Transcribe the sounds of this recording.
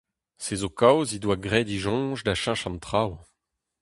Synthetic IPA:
sezokawzidwaɡʁɛd̪iʒɔ̃ːʒdaʃãʃɑ̃nt̪χaw

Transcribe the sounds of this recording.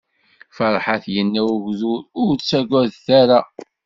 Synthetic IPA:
fəɾˤħaθjənːæwʊʝzʊɾʊɾt͡sːæɡʷæðθæɾa

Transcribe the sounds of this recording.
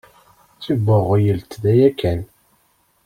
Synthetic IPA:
t͡sːibːəʁjəlt̪ðæjækːæn

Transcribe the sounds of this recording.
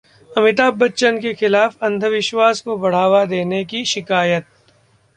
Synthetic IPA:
ɐmɪt̪aːbːɐtːʃənkexɪlaːfɐ̃nd̪ʱəʋɪʃwaːskobɐɽ̤aːʋad̪eːnekiʃɪkaːjət̪̚

